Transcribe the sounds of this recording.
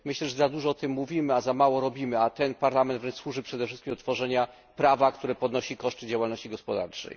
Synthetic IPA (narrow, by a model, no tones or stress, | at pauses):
mɘɕlɛʐɛzad̪uʐɔɔt̪ɘmːuvʲimɘazamawɔɾɔbʲimɘat̪ɛnpaɾlamɛnd̪vɾɛnt͡ʂswuʐɘpʂɛd̪ɛfʂɘst̪kʲimd̪ɔt̪fɔʐɛɲa | pɾavak̚t̪uɾɛpɔd̪nɔɕikɔʂt̪ɘd͡ʑawalnɔɕt͡ɕiɡɔspɔd̪a̰ɾt͡ʂɛ̰j